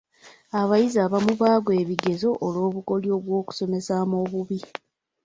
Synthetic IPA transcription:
aβajizaːβamuβaːɡwe̞ːβiɡe̞zo̞ʔolo̞ːβuko̞ljoːβwo̞ːku̥so̞me̞saːmoːβuβi

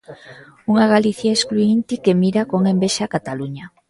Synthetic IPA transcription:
uŋaɣaliθjaeskluint̪ikemiɾakoŋembeʃakat̪aluɲa

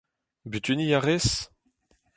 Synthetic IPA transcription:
byt̪ynijaʁes

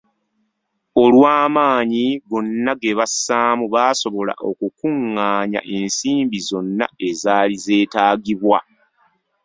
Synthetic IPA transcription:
o̞lwaːmaːɲiβonːaɡeβasːaːmuβaːso̞βo̞la̰ʔo̞̰kukuŋːaːɲa̰ʔe̞nsiːmbizo̞nːa̰e̞zaːlize̞ːtaːɡiβwa

